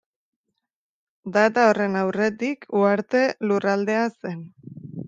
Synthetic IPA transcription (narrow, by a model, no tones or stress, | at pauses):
d̪at̪aore̞nawre̞t̪ikʰuaɾt̪e̞lurald̪e̞ase̞n